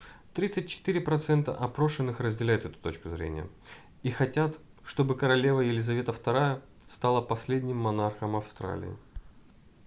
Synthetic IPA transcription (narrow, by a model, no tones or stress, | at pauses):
t̪ɾʲit̪sɨt̚ʲt͡ɕɪ̥t̪ɨɾʲɪpɾɐt̪sɛnt̪ə̰ʔɐpɾo̞ʂɨnːɨxrəzʲdʲɪlʲæjɪt̪ɛt̪ʊ̥t̪o̞t͡ɕkʊzɾʲḛnʲɪ̰jə̰ | ixɐtʲat̪ | ʂt̪o̞bɨkəɾɐlʲe̞vəjɪlʲɪzɐvʲe̞t̪əft̪ɐɾajə | st̪alˠəpɐsʲlʲedʲnʲɪmːɐnarxəmɐfst̪ɾa̰lʲɪ̰ɪ̰